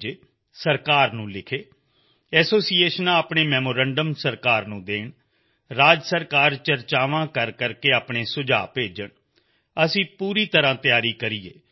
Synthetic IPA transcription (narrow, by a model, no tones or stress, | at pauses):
d͡ʒeː | səɾkaːɾnũːlɪkʰeː | ɛːsoːsiːeːʃənãːaːpɳeːmɛːmoːɾɛ̃ːɳɖəmsəɾkaːɾnũːd̪eːɳ | ɾaːd͡ʒsəɾkaːɾt͡ʃəɾt͡ʃaːʋãːkəɾkəɾkeːaːpɳeːsʊd͡ʒa̰ːpeːd͡ʒəɳ | əsĩːpuːɾiːt̪əɾãːt̪ɪjaːɾiːkəɾiːḛː